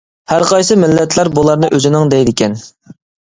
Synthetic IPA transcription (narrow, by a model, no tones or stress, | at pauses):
hæɾqʰɑjsɨmɪlːɛt̪ʰlˠæɾbulˠɑɾnɨʔøzɪnɪŋd̪ɛjd̪ɪkʲɛn